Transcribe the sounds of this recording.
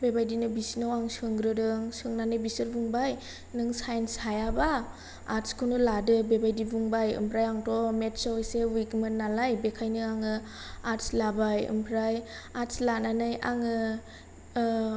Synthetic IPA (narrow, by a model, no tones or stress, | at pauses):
bebajdinɯbisnɯwaŋsɯŋɡɾɯdɯŋsɯŋnanɯjbisɯɾbuŋbaj | nɯŋsajnshajabaː | ɾskʰɯnɯladɯbebajdibuŋbajɯ̰mpʰɾajaŋtɔmetsawjsewikmɯnnːalajbekʰajnɯaŋɯ | aɾslabajɯ̰mpʰɾaj | aɾslananɯjaŋɯ